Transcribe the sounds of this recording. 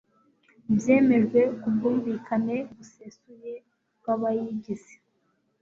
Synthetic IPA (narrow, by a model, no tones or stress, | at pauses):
bje̞ːme̞ʒɡwe̞kubɡuːɱviːkʰane̞ɡusesuje̞ | b̚ɡaβajiɟize̥